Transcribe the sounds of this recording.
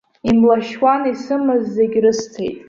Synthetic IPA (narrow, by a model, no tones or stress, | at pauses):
imlaʃwanisɨmɨzːeɡʲrɨstʰḛjtʼ